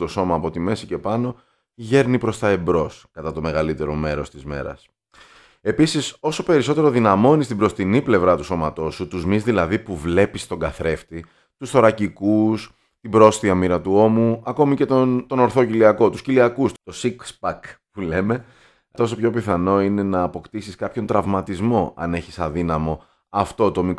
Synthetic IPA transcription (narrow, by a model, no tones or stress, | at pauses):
t̪o̞so̞mɐːpo̞t̪ime̞sice̞pɐno̞ | ʝe̞ɾnipɾo̞st̪ɐebɾo̞skɐt̪ɐt̪o̞me̞ɣɐlit̪e̞ɾo̞me̞ɾo̞st̪izme̞̰ɾɐ̰s | e̞pisiso̞so̞pe̞ɾiso̞t̪e̞ɾo̞ðinɐmo̞nist̪ibɾo̞st̪iniple̞vɾɐt̪uso̞mɐt̪o̞sut̪uzmizðilɐðipuvle̞pist̪o̞ɡɐθɾe̞ft̪i | t̪usθo̞ɾɐcikus | t̪ibɾo̞st̪iɐmiɾɐt̪uo̞muɐko̞mice̞t̪ot̪o̞no̞ɾθociliɐko̞t̪usciliɐkust̪o̞sikspɐkpule̞me̞ | t̪o̞so̞pço̞piθɐno̞ine̞nɐːpo̞kt̪isiskɐpço̞nt̪ɾɐvmɐt̪izmo̞ʔɐ̰ne̞çisɐðinɐmo̞ | ɐft̪o̞t̪o̞mik